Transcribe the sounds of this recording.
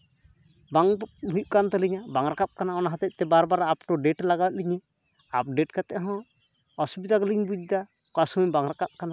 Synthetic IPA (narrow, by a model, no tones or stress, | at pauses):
baŋɦujʔ̚kant̪ɛliɲabaŋɾakap̚kanaɔnaɦat̪ɛc̚t̪ɛbaɾbaɾapʈɔɖeʈlaɡawɛt̪̚liɲɛ | ap̚ɖeʈkat̪ɛɦɔ̃ | ɔsubid̪akliɲbud͡ʒ̚d̪a | kasuɲbaŋɾakap̚kana